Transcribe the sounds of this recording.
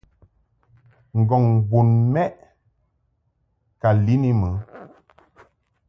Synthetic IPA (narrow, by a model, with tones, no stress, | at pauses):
ŋ̩˨ɡɔ˨ŋbu˨nmɛ˦ʔ | ka˨li˦ni˦mə˨˦